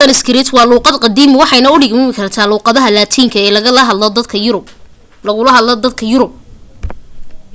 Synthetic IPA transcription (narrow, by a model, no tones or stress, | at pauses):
ɐnɪskʰɪɾɪt̪ʰwɑːluːqɑd̪qɑd̪iːmɪwɑħɑjnɐʊɖɪɡmɪmɪkʰɐrt̪ʰaːluːqɑðɐɦɐlaːt̪ʰiːŋkʰɐɛːlɐɦ̪ | lɐʊlɐɦɐɔd̪ɐkʰɐjʊɾʊb̚